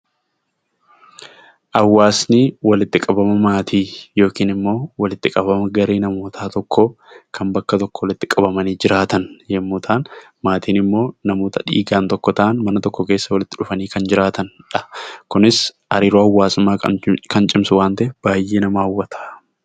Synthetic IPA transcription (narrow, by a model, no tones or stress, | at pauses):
ʔɐwːaːsniːwɐlɪt̪ːɪkʼɐbɐmɐmaːt̪ʰiːjo̞ːkiːnɪmːo̞ːwɐlɪt̪ːɪkʼɐbɐmɐɡɐɾeːnɐmoːt̪ʰaːt̪ɔkːo | kʰɐmbɐkːɐt̪ɔkːɔwɐlɪt̪ːɪkʼɐbɐmɐniːd͡ʒɪɾaːt̪ɐnjɛmːʊːt̪ʰaːn | maːt̪iːnɪmːo̞ːnɐmoːt̪ɐᶑḭːɡaːnt̪ɔkːɔt̪ɐʔɐnmɐnɐt̪ɔkːɔke̞ːsːɐwɐlɪt̪ːɪᶑʊfɐniːkɐnd͡ʒɪɾaːt̪ɐnᶑɐ̥kʊnɪs | hɐ̰ɾiːɾoːɐwːaːsɪmːaːkɐnt͡ʃʼɪmsʊwaːnt̪ɐʔɛb̥aːjʔeːnɐmaːɐwːɐt̪ʰɐʔ